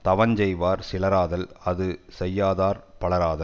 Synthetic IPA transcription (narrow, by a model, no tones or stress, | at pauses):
t̪ɐʋɐɲd͡ʒɛjʋaːɾsɪlɐɾaːðɐlɐðɯsɛjːaːðaːɾpɐɭɐɾaːðɐ